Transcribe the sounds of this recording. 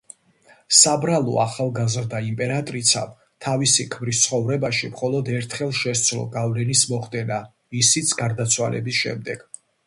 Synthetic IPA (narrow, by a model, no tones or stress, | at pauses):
sabɾalˠɔ̰aχalˠɡazɾd̪aimpʼɛɾat̪ʼɾit̪sʰa̰m | t̪ʰavisikʰmɾist̪sʰχɔvɾɛbaʃimχɔlˠɔd̪ɛɾt̪ʰχɛlˠʃɛst̪sʰlɔ̰ɡavlɛnismɔχd̪ɛna | misit̪sʰɡaɾd̪at̪sʰwa̰lʔɛ̰bisʃɛ̰md̪ɛɡ̥